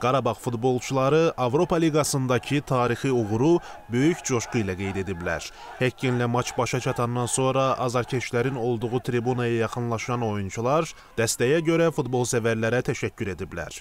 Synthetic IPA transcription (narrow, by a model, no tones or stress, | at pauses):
ɡ̥ɑɾɑbɑʁfud̪bo̞lˠt͡ʃʰulˠɑɾɯʔɑvɾo̞pʰɑliɡɑsɯnd̪ɑcʰit̪ʰɑːɾixiuɣɾu | bø̞jyct͡ʃʰo̞ʃqujlæɡe̞jd̪e̞d̪iblæ̰ɾ | hæinlæmɑt͡ʃʰbɑʃɑt͡ʃʰɑt̪ʰɑnd̪ɑnso̞nɾɑʔːzɑɾcʰet͡ʃlæɾino̞lˠd̪uʁut̪ʰɾibunɑjɑjɑχɯnlˠɑʃɑno̞junt͡ʃʰulˠɑɾ | d̪̥æst̪æjæɟø̞ɾæfud̪bo̞lˠsævæɾlæɾæt̪ʰæʃæcʰːyɾe̞d̪iblæ̰ɾ